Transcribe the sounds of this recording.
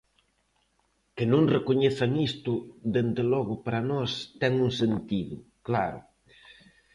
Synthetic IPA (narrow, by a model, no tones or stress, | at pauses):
kɪnõŋrekoɲeθamist̪ʊd̪end̪elɔɣʊpaɾanɔst̪ɛŋuŋsent̪iðʊ̰ | klaɾʊ̰